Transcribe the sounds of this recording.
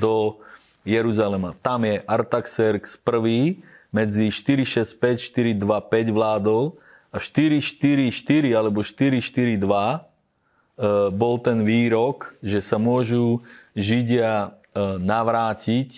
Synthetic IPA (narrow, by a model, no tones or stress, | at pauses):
d̪ɔ | jɛɾuzalɛmat̪amjɛʔaɾt̪aksɛɾkspr̩ʋiːmɛd͡ziʃt̪iɾiʃɛsc̚pɛcʃt̪iɾid̪ʋapɛɟʋlaːd̪ɔʊ | aʃt̪iɾiʃt̪iɾiʃt̪iɾialɛbɔʃt̪iɾiʃt̪iɾid̪ʋa | bɔlt̪ɛnʋiːɾɔkʒɛsamʊɔʒuʒiɟɪa | naʋɾaːcic